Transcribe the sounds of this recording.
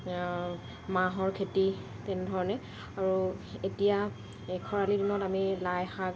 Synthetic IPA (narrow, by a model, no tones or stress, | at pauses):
maɦɔɹkʰeti | tɛnɛdʱɔɹɔnɛ | aɹuetija | kʰɔɹalidinɔtamilajxak